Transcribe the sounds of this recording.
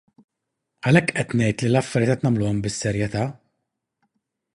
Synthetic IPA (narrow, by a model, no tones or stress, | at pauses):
ɐlɛkːʔɛt̪nɛjt̪lilɐfːɐɾjɛːt̪ʔɛt̪nɐmlʊːɔmbɪsːɛɾjɛt̪ɐː